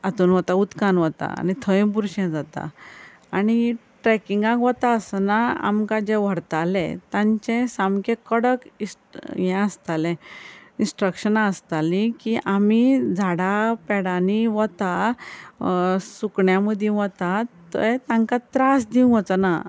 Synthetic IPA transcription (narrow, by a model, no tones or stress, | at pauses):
at̪uːnʋɔt̪aut̪kanʋɔt̪a̰a̰ñit̪ʰəĩpuɾɕãd͡zat̪a̰ | aɽ̃i | ʈɾɛkiŋɡãkʋɔt̪aəsənaa̰mkad͡ʑɛʋəɽt̪alɛ̰̃t̪ãɲt͡ɕɛ̃samkekəɽəki | jɛ̃əst̪alɛ̃ĩnsʈɾəkɕənaəst̪alĩkiʔamid͡zʱaɽapɛɽaniʋɔt̪a | sukɳjaməd̪ʱĩʋɔt̪at̪ə̰t̪ãŋkat̪ɾasd̪iũʋɔt͡sana